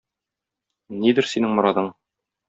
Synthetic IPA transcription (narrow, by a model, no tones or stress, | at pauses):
nid̪ɘɾsinɘŋmŏɾɑðɤɴ